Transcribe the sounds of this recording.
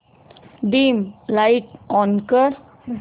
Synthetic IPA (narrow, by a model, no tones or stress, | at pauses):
ɖĩːmlaɪʈɔːnkəɾ